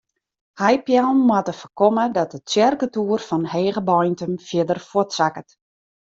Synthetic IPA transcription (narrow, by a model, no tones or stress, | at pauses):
hajpjalˠnːwatəfərkɔmədɔt̚əsjɛrkətuːərfɔnheːɣəbɔjntəmfjɪdərfotsakət